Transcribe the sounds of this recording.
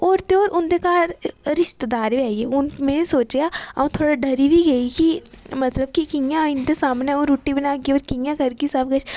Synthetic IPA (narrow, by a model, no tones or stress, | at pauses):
ɔːɾt̪eɔːɾʔʊ̃nd̪ekaːɾɾɪʃt̪d̪aːɾʋɛːeʊnmẽsoːt͡ʃjaaũt̪ʰoːɽaɖʱɐɾibʱiɡɐikimɐt̪ləb̚kikɪ̃ŋjaɪnd̪esaːmneoːɾuʈːibɐnaːkiɔːɾkɪ̃ŋjãɡʱɐɾkisɐbɡɐt͡ʃʰ